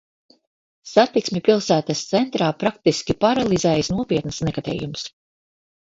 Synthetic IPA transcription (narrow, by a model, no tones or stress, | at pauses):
sat̪iksmʲɛpʲilˠsæːt̪ast̪sɛnt̪ɾaːpɾak̚t̪iskʲipaɾalˠizɛːjsnuɔpiɛt̪nɨsnɛkat̪ɛ̰ːjums